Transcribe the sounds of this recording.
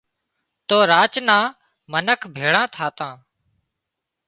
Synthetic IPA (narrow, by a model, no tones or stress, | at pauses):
t̪oːɾaːt͡ʃnãː | mənəkʰbʱeːɽãːt̪ʰaːt̪ãː